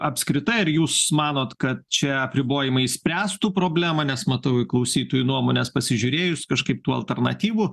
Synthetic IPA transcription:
ɐpʲskɾʲɪt̪ɐɪɪɾjuːsmɑːnoːt̪kɐt̪̚t͡ʃʲɛɐpʲɾʲɪboːjɪmɐɪɪsʲpʲɾʲæːst̪upɾoːbʲlʲæːmɐnʲɛsmɐt̪ɐʊɪklˠɐʊsʲiːt̪oːjunuɔmoːnʲɛːspɐsʲɪʒʲʊɾʲeːjʊsʲkɐʃkɐɪp̚t̪uːɐ̰lʲˠt̪ʲɛrnɐ̰t̪ʲiːʋu

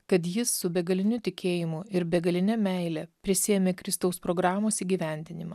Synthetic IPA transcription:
kɐt̪jɪsːʊbʲɛɡɐlʲɪnʲʊt̪ʲɪkʲʰeːjɪmʊɪɾbʲɛɡɐlʲɪnʲɛmʲɛɪlʲɛpʲɾʲɪsʲɪjɛmʲeːkɾʲɪst̪ɐʊspɾoːɡɾɑːmoːsiːɡʲiːʋʲæˑnʲd̪ʲɪnʲɪmɐ

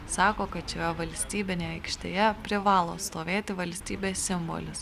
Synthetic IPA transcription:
sɑːkoːkɐt̪t͡ʃʲɛjɛʋɐlʲsʲt̪ʲiːbʲɪnʲeːɐɪkʃʲt̪ʲḛːjɛpʲɾʲɪʋɑːlˠo̰ːst̪oːʋʲeːt̪ʲɪʋɐlʲsʲt̪ʲiːbʲeːssʲɪmbo̰lʲɪs

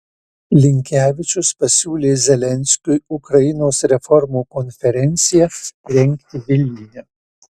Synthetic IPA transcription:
lʲɪŋʲkʲæːʋʲɪt͡ʃʲʊspɐsʲuːlʲeːzʲɛlʲɛnʲsʲkʲʊjʊkɾɐjɪnoːsɾʲɛfɔɾmuːkɔnʲfʲɛɾʲɛnʲt̪sʲɪjɛɾʲɛŋʲkʲt̪ʲɪʋʲɪlʲnʲɪjʲɛ

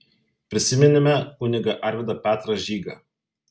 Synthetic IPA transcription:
pʲɾʲɪsʲɪmʲɪnʲɪmʲɛʊnʲɪɡɐʔɐˑɾʲʋʲɪd̪ɐpʲæːt̪ɾɐʒʲiːɡɐ

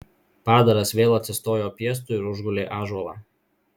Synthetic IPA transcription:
pɑːd̪ɐɾɐsʋʲeːlˠɐt̪ʲsʲɪst̪oːjoːpʲiɛs̬t̪ʊˑɪɾʊʒɡʊlʲeːʔɑːʒuɔlˠɑ̰ː

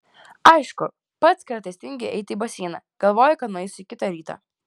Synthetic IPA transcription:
ɐɪʃkʊ | pɐt̪skɐɾt̪ɐɪsʲt̪ʲɪŋʲɡʲeʔɛɪt̪ʲɪiːbɐsʲiːnɐ̰ɡ̥ɐlˠʋoːjɛkɐt̪nʊːɛɪsikʲɪt̪ɑɾʲiːt̪ɑ̰ː

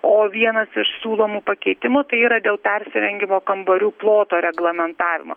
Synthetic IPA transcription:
oːʋʲiɛnɐsɪʃsʲuːlˠoːmuːpɐkʲɛɪt̪ʲɪmʊt̪ɐɪiːɾɐd̪ʲeːlˠpʲɛɾʲsʲɪɾʲɛŋʲɡʲɪmoːkɐmbɐɾʲuːplˠoːt̪oːɾʲɛɡlˠɐmʲɛnt̪ɑːʋʲɪ̰mo̰ː

